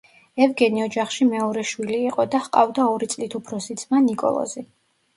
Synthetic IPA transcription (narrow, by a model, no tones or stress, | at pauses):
ɛvɡɛniɔd͡ʒaχʃimɛɔɾɛʃwiliːqʼɔd̪ahqʼa̰vd̪aɔɾit̪sʼlit̪ʰupʰɾɔsisʰmanikʼɔ̰lˠɔ̰zi